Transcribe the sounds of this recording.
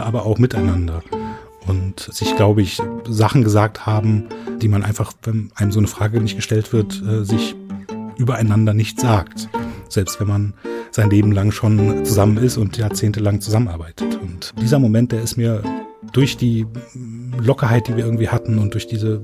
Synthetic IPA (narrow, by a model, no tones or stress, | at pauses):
ʔaːbɐʔaʊxmɪtaɪnandɐ | ʔʊntz̥ɪçɡ̥laʊbəɪçzaχn̩ɡəzaːk̚thaːbm̩d̥iːmanʔaɪnfaχvɛnʔaɪnəmzoːnəfʁ̥aːɡənɪçt̚ɡ̥əʃtɛltv̥ɪɐtʔɛːzɪçʔyːbɐaɪnandɐnɪçt͡sz̥aːktz̥ɛlpstv̥ɛnmanz̥aɪnleːbm̩laŋʃoːnt͡suzamənɪstʊntjaːɐt͡seːntəlaŋt͡suzamənʔa̰ɐbaɪtʰə̥tʊntd̥iːzɐmomɛnt̚d̥eːɐɪstmiːɐd̥ʊɐçd̥iː | lɔkɐhaɪt̚d̥iːviːɐɪɐŋ̩v̥iːhatn̩ʊnt̚d̥ʊɐçd̥iːzə